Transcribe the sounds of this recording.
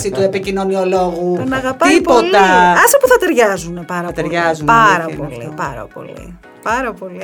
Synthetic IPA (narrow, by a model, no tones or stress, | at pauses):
sit̪uepicino̞nioloɣunɐɣɐtpɐipolt̪ɐɐsɐpuθɐt̪e̞ɾʝɐzunepɐɾɐɐpt̪eɾʝɐzunpɐɾɐpo̞lipɐɾɐ̰po̞̰lḭ | pɐɾɐpo̞li